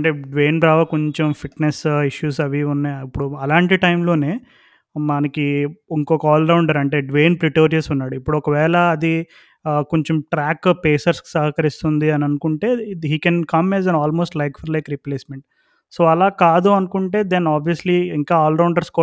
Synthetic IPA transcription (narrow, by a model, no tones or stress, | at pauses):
ɐɳʈeːɖʋe̞ːnbɾaːʋɐkoɲt͡ʃompʰiʈnesiʃjuːsɐʋiunːɐipːuɽuɐlaːɳʈiʈɐjmlo̞ːne̞ː | mɐnɐkiiŋkɔːkɐɔːlɖɐwuɳɖaːɾɐɳʈe̞ːɖʋeːnpɾiʈoːɾɐsunːaːɽuipːuɽuɔkɐʋɛːlɐːd̪i | koɲt͡ʃomʈɾaːkpeːsɐɾsksɐɦɐkɐɾist̪und̪iɐnɐnukuɳʈe̞ːɦiːkɛnkɐmɛːzɛnaːlmoːsʈlɐjkfʰɐɾlɐjkɾipleːsmeɳʈ̚ | so̞ːɐlaːkaːd̪uɐnukuɳʈe̞ːd̪enaːbʋijɐsliiŋkaːaːlɖɐwɳɖɐɾskɔ